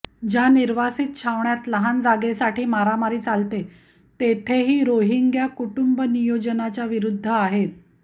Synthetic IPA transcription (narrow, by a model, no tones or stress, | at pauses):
d͡ʑjaniɾʋasiːt̪̚t͡ɕʰaʋɳjat̪ləɦand͡zaɡesaʈʰiːmaɾamaɾiːt͡salt̪e | t̪et̪ʰeɦiːɾoɦiŋɡjakuʈumbənijod͡ʑənat͡ɕjaʋiɾud̪ʱːəaɦet̪̚